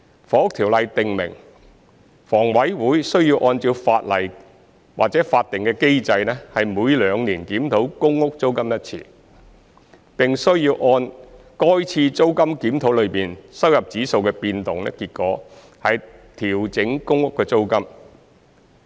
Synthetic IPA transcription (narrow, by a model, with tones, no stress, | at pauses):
fɔː˨ʊ˥k̚t̪ʰiː˨˩wlɐ˨jt̪ɪ˨ŋmɪ̰˨˩ŋ | fɔː˨˩ŋwɐ˨˥jwuː˨˥jsɵ˥ɥjiː˧wʔɔː˧nt͡siː˧wfaː˧t̚lɐ˨˩j | waː˨t̚t͡sɛː˨˥faː˧t̚t̪ɪ˨ŋkɛː˧ke˥jt͡sɐ˧jnɛ˥hɐ˨jmuː˨˧jlœː˨˧ŋniː˨˩nkiː˨˥mt̪ʰo˨˥wkʊ˥ŋːʊ˥k̚t͡so˥wkɐ˥mjɐ˥t̚t͡sʰḭː˨˩ | pɪ˨ŋsɵ˥ɥjiː˧wʔɔː˧nkɔː˥jt͡sʰiː˧t͡so˥wkɐ˥mkiː˨˥mt̪ʰo˨˥wlɵ˨˧ɥpiː˨nsɐ˥wjɐ˨p̚t͡siː˨˥so˧wkɛː˧piː˧nt̪ʊ˨ŋlɛ̰ː˥kiː˧t̚kɔː˨˥ | hɐ˨˧jt̪ʰiː˨˩wt͡sɪ˨˥ŋkʊ˥ŋːʊ˥kːɛː˧t͡so˥wkɐ˥m